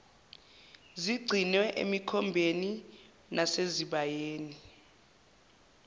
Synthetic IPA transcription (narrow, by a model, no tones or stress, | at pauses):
ziɡ͡ǀʱinwɛʔḛmikʰɔmbʱeni | nʔaseziɓajeːni